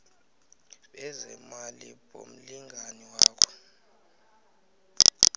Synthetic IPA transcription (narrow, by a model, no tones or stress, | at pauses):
ɓɛzɛmaliɓo̰m̩liŋɡʱaniwaːkʰɔ̥